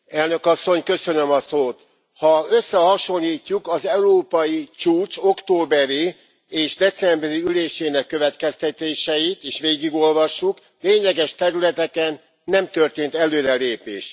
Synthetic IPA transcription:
ɛlnø̞kɒsːo̞ɲkø̞sø̞nø̞mɒsoːt̪ | hɒøsːɛhɒʃo̞lːiːcːukɒzɛuɾoːpɒjit͡ʃuːt͡ʃo̞kt̪oːbɛɾi | eːʒd̪ɛt̪sɛmbɛɾiyleːʃeːnɛkːø̞vɛt̪kɛst̪ɛt̪eːʃɛjit̪eːʃʋeːɡiɡo̞lvɒʃːuk | leːɲlɛɡɛʃt̪ɛɾylɛt̪ɛkɛnː | ɛmt̪ø̞rt̪eːnt̪ɛløːɾɛleːpḛːʃ

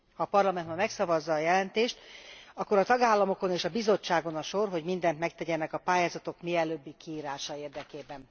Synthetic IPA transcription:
hɒːpɒrlɒmɛnt̪mɛmɛksɒvɒzːɒːjɛlɛnt̪eːʃt̪ɒkːo̞ɾɒt̪ɒɡaːlːɒmo̞ko̞neːʃɒbizo̞t͡ʃːaːɡo̞nɒʃo̞rɦo̞ɟmind̪ɛnt̪mɛkt̪ɛɟɛnɛkɒpaːjaːzɒt̪o̞kmiɛløːbːikiiːɾaːʃɒeːrd̪ɛkeːbɛn

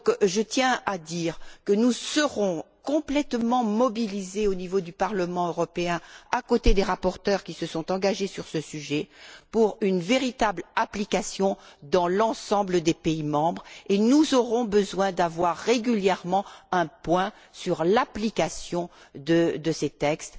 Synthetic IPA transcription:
kʒət̪jɛ̃ad̪iːʁkənusəʁɔ̃ | kɔ̃plɛt̪mɑ̃mɔbilizeonivod̪ypaʁləmɑ̃øʁɔpeɛ̃akot̪ed̪eʁapɔʁt̪œʁkʲisəsɔ̃t̪ɑ̃ɡaʒesyʁsəsyʒɛpuʁynveʁit̪ablaplikasjɔ̃d̪ɑ̃lɑ̃sɑ̃bləd̪epeimɑ̃bʁenuzɔʁɔ̃bəzwɛ̃d̪avwaʁːeɡyljɛʁmɑ̃ɛ̃pwɛ̃ | syʁlaplikasjɔ̃ | d̪əd̪əset̪ɛkst̪

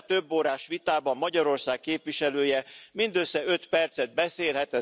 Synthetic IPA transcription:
t̪øbːoːɾaːʃʋit̪aːbɒmːɒɟɒɾo̞rsaːk̚kːeːpvʋiʃɛløːjɛmind̪øsːɛøt̪pɛrt̪sɛd̪̚bɛseːlɦɛt̪ɛ

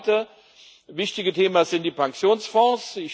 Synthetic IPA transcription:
tə | vɪçtɪɡətʰeːmazɪnt̚d̥iːpʰaŋkt͡sjoːnsfɔ̃ːsɪç

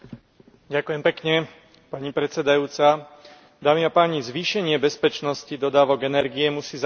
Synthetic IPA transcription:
ɟakʊjɛmpɛkɲɛ | paɲipɾɛt͡sɛd̪ajuːt͡sa | d̪aːmiapaːɲizʋiːʃɛɲɪɛbɛspɛt͡ʃnɔscid̪ɔd̪aːʋɔɡɛnɛɾɡijɛmusiːz

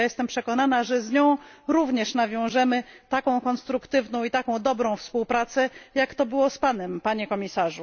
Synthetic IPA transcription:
jɛst̪ɛmpʂɛkɔnanaʐɛzɲɔ̃w̃ɾuvɲɛʂnavʲjɔ̃w̃ʐɛmɘt̪akɔ̃w̃kɔnst̪ɾukt̪ɘvnɔ̃w̃it̪akɔ̃w̃d̪ɔbɾɔ̃w̃fspuwpɾat̪sɛjakt̪ɔbɘwɔspanɛmpaɲɛkɔmʲisaʐu

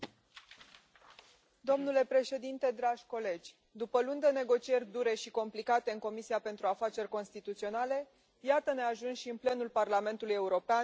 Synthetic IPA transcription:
d̪o̞mnule̞pɾe̞ʃe̞d̪int̪e̞d̪ɾaʒ̥ʲko̞le̞d͡ʒʲ | d̪upəlund̪e̞ne̞ɡo̞t͡ʃie̞rʲd̪uɾe̞ʃiko̞mplikat̪e̞ɨŋko̞misiape̞nt̪ɾuafat͡ʃe̞rʲko̞nst̪it̪ut̪sio̞nale̞ | jat̪əne̞aʒunʃiɨnple̞nulparlame̞nt̪uluje̞uɾo̞pea

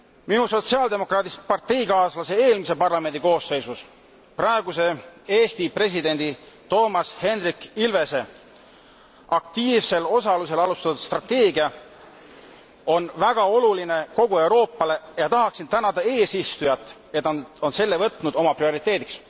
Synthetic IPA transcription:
minuso̞t̪siɑld̪e̞mo̞krɑːt̪ispɑrt̪e̞jkɑːslɑse̞e̞ːlmis̬e̞pɑrlɑme̞nd̪̥iko̞ːsːe̞jsus | prɑeɡuse̞eːst̪ipre̞s̬id̪̥e̞nd̪̥i | t̪o̞ːmɑshe̞nrikːilve̞se̞ | ɑk̚t̪iːvse̞lo̞sɑluse̞lɑlust̪ɑt̪ud̪̥st̪rɑt̪ːe̞ːɡiɑ | o̞nvæɡ̥ɑo̞luline̞ko̞ɡ̥ue̞uɾo̞ːpːɑle̞jɑt̪ɑɦɑksint̪ænɑd̪̥ɑe̞ːsist̪ujɑt̪ːˑ | e̞t̪ːˑo̞nse̞lːe̞vɤt̪ːˑnud̪̥o̞mɑprio̞ɾit̪ˑːe̞ːd̪iks

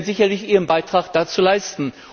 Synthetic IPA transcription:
zɪçɐlɪçʔiːʁənbaɪtʁ̥aːχd̥aːt͡suːlaɪstn̩

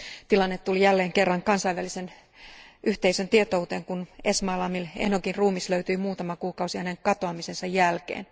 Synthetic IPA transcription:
t̪ilɑnːet̪ːulijælːeːŋkerːɑŋkɑnsɑjʋælisen | ʔyht̪eisønt̪iet̪out̪eːŋkunesmɑːlɑmilḛnokinruːmisløyt̪yimuːt̪ɑmɑkuːkɑusihæneŋkɑt̪oɑmise̞nsɑjjælkḛːn

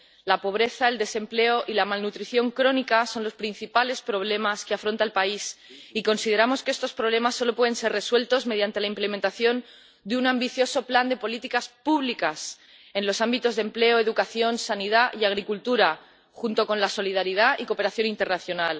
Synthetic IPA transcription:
lapo̞β̞ɾe̞θae̞ld̪e̞se̞mple̞o̞ʔilamalnut̪ɾiθjo̞ŋkɾo̞nikaso̞nlo̞spɾin̟θipale̞spɾo̞β̞le̞maskeafɾo̞nt̪aelpaisiko̞nsið̞e̞ɾamo̞skee̞st̪ospɾoβle̞masːo̞lo̞pwe̞ðe̞nse̞re̞swe̞lt̪o̞zme̞ð̞jant̪e̞laimple̞ment̪aθjo̞n | d̪eunambiθjo̞so̞pland̪e̞po̞lit̪ikaspuβlikas | e̞nlo̞sambit̪o̞zðemple̞oe̞ðukaθjo̞nsanið̞aʔiaɣ̞ɾikult̪uɾa | xunt̪o̞ko̞nlaso̞liðaɾið̞aʔiko̞pe̞ɾaθjo̞nint̪e̞rnaθjo̞nal

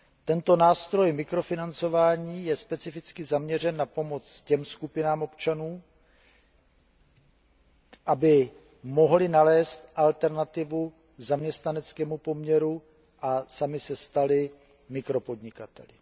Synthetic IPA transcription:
t̪ɛnt̪o̞naːst̪ɾo̞jmɪkɾo̞fɪnant͡so̞vaːɲiːjɛspɛt͡sɪfɪt͡skɪzamɲɛr̝ɛnːapo̞mo̞t͡scɛmskupɪnaːmʔo̞pt͡ʃanuː | ʔabɪ | mo̞ɦlɪnalɛːst̪ʔalt̪ɛɾnat̪ɪvu | zamɲɛst̪nanɛt͡skɛːmupo̞mɲɛɾu | ʔasamɪsɛst̪alɪ | mɪkɾo̞po̞dɲɪkat̪ɛ̰lɪ

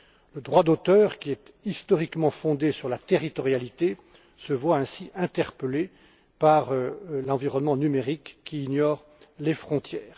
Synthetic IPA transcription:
ləd̪ʁwad̪ot̪œːʁkʲiɛt̪ist̪ɔʁikmɑ̃fɔ̃d̪esyʁlat̪eʁit̪ɔʁjalit̪e | səvwaɛ̃siʔɛ̃t̪ɛʁpəle | paʁlɑ̃viʁɔnmɑ̃nymeʁikːiːnjɔʁ | lefχɔ̃t̪jɛːʁ

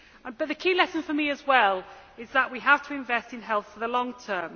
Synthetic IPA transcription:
ə̃b̥ʌʔðəkʰiːlɛsə̃nfəmiəzwɛlɪzðəʔwiəv̥tʰəɪ̃ɱvɛstɪ̃nɦɛlˠθfəðəlɒ̃ŋtʰɜːm

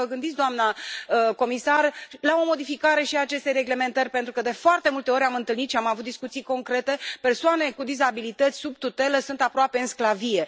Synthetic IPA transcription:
əɡɨnd̪itsʲd̪oamnaəko̞misarlao̞mo̞d̪ifikaɾe̞ʃiat͡ʃe̞st̪eɾe̞ɡle̞me̞nt̪ərʲpe̞nt̪ɾukəd̪e̞foart̪e̞mult̪e̞o̞ɾʲamɨnt̪ɨlnit̪ʃiamavut̪̚d̪iskut̪sijko̞ŋkɾe̞t̪e̞pe̞rsoane̞kud̪izabilit̪ət̪sʲsub̚t̪ut̪e̞ləsunt̪apɾoape̞ɨnsklavije̞

